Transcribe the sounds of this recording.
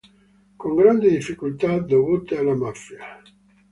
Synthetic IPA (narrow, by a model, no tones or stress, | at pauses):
koŋɡɾand̪id̪ifːikult̪ad̪ovut̪ealamafja